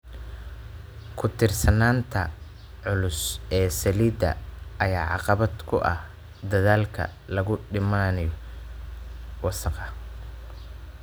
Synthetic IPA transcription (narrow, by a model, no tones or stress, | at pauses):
kʰʊt̪ʰɪrsɐnaːnt̪ʰɐ | ʕʊlʊsɛːsɐliːd̪ɐ̰ʔɐjaːʕɑqɑβɐd̪kʰʊʔɐ̰h | d̪ɐðaːlkʰɐ̰ | lɐɣʊɖɪmaːnɪjɔ | wɑsɑqɑ